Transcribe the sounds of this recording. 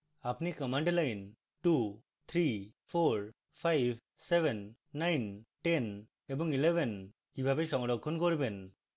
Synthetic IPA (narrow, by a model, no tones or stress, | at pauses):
apnikɔmaɳɖlajn | ʈu | t̪ʰɾipʰoɾ | pʰajb̚ʰʱ | sebʱenː | ajnʈen | ebɔŋilebʱen | kibʱabeʃɔŋɔɖɔkʰːɔnkoɾiben